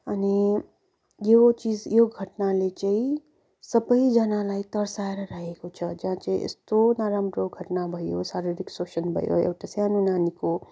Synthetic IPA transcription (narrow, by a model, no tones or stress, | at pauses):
əni | jeot͡ʃiːd͡ʒjoɡɡʱəʈnalet͡ʃəi | səbəid͡ʒanalait̪əɾsaɾɾaɦekot͡ʃʰəd͡ʒɦãt͡ʃeiʔɪ̰st̪onaːɾamɾoɡɡʱəʈnabʱəjosaɾeɾiksoːʃənbʱə̰jo̰ḛwʈasjaːnunaːniko